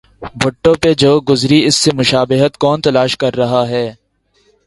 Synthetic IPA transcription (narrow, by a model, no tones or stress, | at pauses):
bʱʊʈːõped͡ʒoːɡʊzɾiɪsːemʊʃaːbɪɦət̪kɔːnt̪ɐlaːʃkɐɾːɐɦaɦɛː